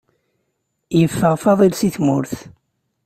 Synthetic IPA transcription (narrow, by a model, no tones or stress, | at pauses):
jəfːəʁfɑðˤilsiθmʊɾθ